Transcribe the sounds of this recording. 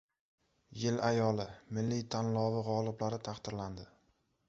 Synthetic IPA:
jɪlajɒlɪmɪlːit̪ʰanlɒvɪʁɒlˠɪblaɾɪt̪ʰaχt̪ɪɾland̪ɪ

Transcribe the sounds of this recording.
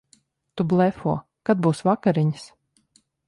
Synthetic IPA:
t̪ublˠɛfɔɔ | kad̪̚buːsvakaɾiɲs

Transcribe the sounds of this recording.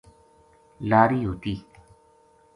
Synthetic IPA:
laːɾiːɦoːt̪iː

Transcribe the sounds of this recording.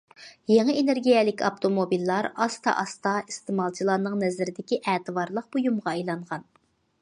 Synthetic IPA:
jeŋəeneɾɡʲijɛlɪkʲɑ̰p̚t̪ʰomobilːɑɾɑst̪ʰɑ̰ʔɑst̪ɑist̪ɨmɑlˠt͡ʃʰilˠɑnɨŋnɛzɪɾɪd̪ɪkʲiʔɛːt̪ʰɨvɑɾlˠəq̚b̥ojumʁɑejlˠɑɴʁɑn

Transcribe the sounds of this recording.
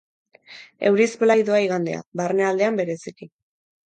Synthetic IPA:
e̞wɾisplajðoaiɣand̪ea̰βarneald̪e̞ambe̞ɾe̞siki

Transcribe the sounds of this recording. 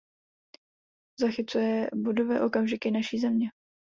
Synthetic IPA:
zaxɪt͡sujɛbudovɛːʔo̞kamʒɪkɪnaʃiːzɛmɲɛ

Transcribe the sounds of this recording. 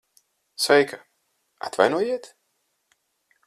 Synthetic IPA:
svɛjka | a̰t̪va̰jnuɔjiɛt̪

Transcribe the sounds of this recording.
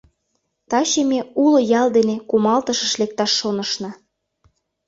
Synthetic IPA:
t̪ɑɕemeulŏjɑld̪enekumɑlt̪əʃə̆ʃlek̚t̪ɑʃːonəʃnɑ̆

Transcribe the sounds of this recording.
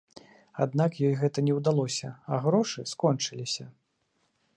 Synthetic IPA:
ad̪nakjɔjɣɛt̪ɐnʲɛwd̪alˠɔsʲɐaɣɾɔʂɨskɔnt͡ʂɨlʲisʲɐ

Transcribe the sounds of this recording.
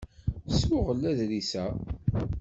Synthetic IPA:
swʊʁəlːæðlisæ

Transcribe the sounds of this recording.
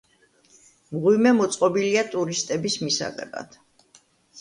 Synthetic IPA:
mʁwimɛmɔt̪sʼqʼɔbiliat̪ʼuɾist̪ʼɛbismisa̰ʁɛ̰ba̰d̪̥ʰ

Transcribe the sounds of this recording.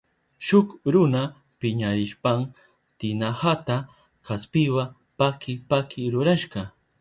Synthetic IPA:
ʃʊkɾʊna | pɪɲaɾɪʃpam | t̪ɪnahat̪a | kaspɪwa | pakʰɪpakʰɪɾʊɾaʃɢɑ

